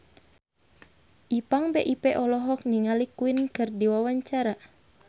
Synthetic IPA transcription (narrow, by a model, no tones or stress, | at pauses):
ʔipaŋbɛʔipɛʔɔlɔɦɔk̚niŋalikuinkɨrdiwawaɲt͡ʃaɾa